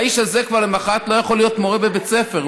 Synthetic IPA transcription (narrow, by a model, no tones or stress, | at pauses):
iʃhazekvaʁlemaχat̪lo̞jaχo̞lijo̞t̪mo̞ʁebebet͡sefe̞ʁ